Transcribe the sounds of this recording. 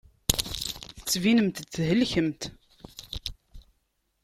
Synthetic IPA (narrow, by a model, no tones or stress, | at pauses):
θə̥t͡sːvinəmt̪t͡sːɦəlçəmt̪